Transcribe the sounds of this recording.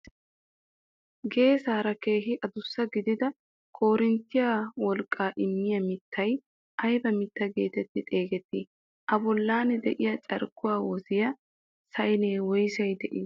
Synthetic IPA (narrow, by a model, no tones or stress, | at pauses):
ɡe̞ːsaːɾɐke̞ːɦɪʔɐd̪ʊsːɐɡɪd̪ɪd̪ɐ | kʰo̞ːɾɪnt̪ːɪjawɔlkʼːaːʔɪmːɪjɐmɪt̪ʰːɐj | ʔɐjbɐmɪt̪ːɐɡeːt̪ɛt̪ːɪt̪ʼe̞ːɡɛt̪ːiː | ʔɐbɔlːaːnɛd̪ɛʔɪjɐt͡ʃʼɐ̰ɾkːʊwaːwɔzɪjɐ | sɐjneːwɔjsɐjd̪ɛʔɪː